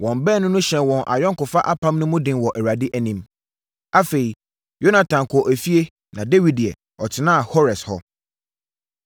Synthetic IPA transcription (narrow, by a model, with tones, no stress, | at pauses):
wɔ̃˨mbɛː˦˨nʊ̃˦nʊ̃˦ɕɛ̃˨nwɔ̃˨nʔa̰˨jɔ̃˦ŋ˦kʊ˨fa˦ʔa˦pʰã˦mnʊ̃˦mʊ̃˦dɪ̃˨nwɔ˨ʔæ˨ɾa˨dɪ˦ʔæ˨nĩ˨m | a˦fe˨i˨ | jo˦nã˨tʰã˨kʰʊ˨ɔ˨ʔæ˨fi˦e˦ | nã˨de˦wi˨di˨ɛ̰˨ | ɔ˨tʰɪ˨nã˦a˨hɔ˦ɾɛ˨shɔ˦